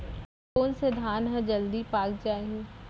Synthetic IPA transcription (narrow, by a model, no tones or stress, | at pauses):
koːnsed̪ʱaːnɦə̃d͡ʒɐld̪ipaːɡd͡ʒaːɦĩ